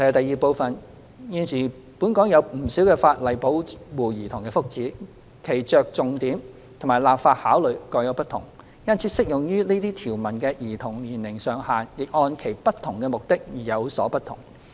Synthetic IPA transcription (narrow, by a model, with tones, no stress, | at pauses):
jɐ˨˧˩t̪ɐ˨˧jiː˨˩po˧wfɐ˨n | jiː˨˧nsiː˨˩ | pu˨˥nkɔː˨˥ŋjɐ˨˧wm̩˨˩siː˨˥wkɛː˧faː˧t̚lɐ˨˩jpo˨˥wwuː˨˩jiː˨˩t̪ʰʊ˨˩ŋkɛː˧fʊ˥k̚t͡siː˨˥ | kʰe˨˩jt͡ʃœː˨k̚t͡sʊ˨ŋt̪iː˨˥m | t̪ʰʊ˨˩ŋmaː˨˩jlaː˨pfaː˧t̚haː˨˥wlɵ˨˩ɥkɔː˧jɐ˧wpɐ˥t̪ʰʊ̰˨˩ŋ | jɐ˥nt͡sʰiː˨˥sɪ˥k̚jʊ˨ŋjyː˥niː˥t̪iː˥t̪ʰiː˨˩wmɐ˨˩nkɛː˧jiː˨˩t̪ʰʊ˨˩ŋliː˨˩nlɪ˨˩ŋsœː˨ŋhaː˨njɪ˨k̚ʔɔː˧nkʰe˨˩jpɐ˥t̪̚ʰʊ˨˩ŋkɛː˧mʊ˨k̚t̪ɪ˥k̚jiː˨˩jɐ˨˧wsɔ̰ː˨˥pɐ˥t̪ʰʊ̰˨˩ŋ